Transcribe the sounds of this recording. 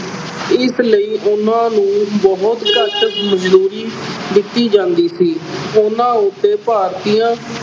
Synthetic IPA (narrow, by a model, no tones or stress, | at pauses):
ɪsləiːʔʊnãːnũːbɔɦʊt̪kətəməzd̪uːɾiːd̪ɪt̪ːiːd͡ʒãːnd̪iːsiːʊnãːʊt̪ːeːpaːɾt̪iːãː